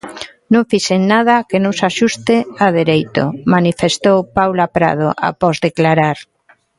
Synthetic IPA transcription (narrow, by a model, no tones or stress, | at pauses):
nõŋfiseŋnað̞akenõŋsaʃust̪eaðeɾejt̪o̰manifest̪owpawlapɾa̰ð̞o̰ʔa̰pɔzðeklaɾaɾ